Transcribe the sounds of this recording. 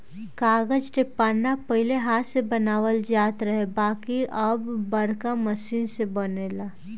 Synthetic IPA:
kaːɡəd͡ʒʈepaːnːapəɦɪleɦaːt̪sebənaːʋəld͡ʒaːt̪ɾəɦebaːkiʔəbːəɽkaməsiːnsebəneːlaː

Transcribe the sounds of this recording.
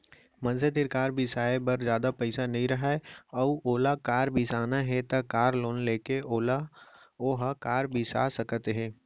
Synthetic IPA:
mɐ̃nset̪ɪɾkaːɾbɪsaːebɐɾd͡ʒjaːd̪apɛɪsanɐɦĩɾɐɦaeɔːuoːlakaːɾbɪsaːnaɦɛ̃t̪akaːɾloːnleːkeoːlaoːɦakaːɾbʱisa̰sɐkt̪ɦɛ̃ː

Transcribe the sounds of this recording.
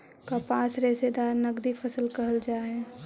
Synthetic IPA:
kapaːsɾeːsed̪aːɾnɐɡd̪ifʰɐsəlkɐɦəld͡ʒaːɦɛː

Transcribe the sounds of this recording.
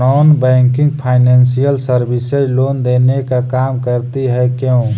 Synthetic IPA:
ɔnbɛ̃ŋkɪ̃ŋɡpʰaɪnɛnsijəlsəɾbisəlond̪enekakamkəɾt̪iɦɛkẽ

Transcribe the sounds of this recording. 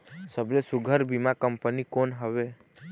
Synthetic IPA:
səblesʊɡʱəɾbimakəmpənikonɦəʋe

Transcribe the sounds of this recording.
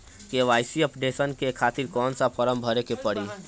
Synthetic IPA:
keʋaːɪsiɐpɖeːʃənkekʰaːt̪iɾkɔːnsapʰɐɾəmbʱɐɾekepɐɽiː

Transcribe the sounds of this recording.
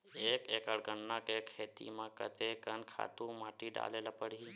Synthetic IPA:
eːkeːkəɽɡənːakekʰːeːt̪ḭmãkə̰t̪ekənkʰa̰ːt̪ũmaːʈiɖa̰ːlelapəɽ̤i

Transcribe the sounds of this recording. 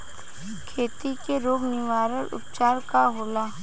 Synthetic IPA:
kʰeːt̪ikeɾoːɡnɪʋaːɾəlʊ̰p̚t͡ʃaːɾkaɦoːlaː

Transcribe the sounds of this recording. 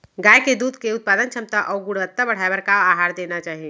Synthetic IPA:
ɡaːjked̪uːd̪ʱkeʊt̪̚paːd̪ənt͡ʃʰɐmt̪aʔɔːɡʊɽʋət̪ːabɐɽ̤aːebəɾkaaːɦaːɾd̪eːnat͡ʃaːɦie

